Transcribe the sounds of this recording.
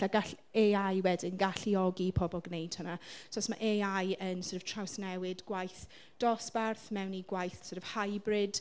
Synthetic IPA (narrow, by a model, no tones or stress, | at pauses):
aɡaɬ | eajwɛdɪnɡaɬiɔɡipʰɔbɔlˠɡnejd̥hənasɔsmaʔeajənsərəv̥tʰrawsnɛwɪdɡwajθ | d̥ɔsb̥arθmɛwniɡwajθsəɾv̥hajbrɪd̥